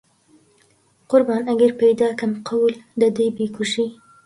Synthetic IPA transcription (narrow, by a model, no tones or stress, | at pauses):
qʊɾbɑnaɡəɾpajd̪ɑkamqʰawld̪əd̪əjbekuʂi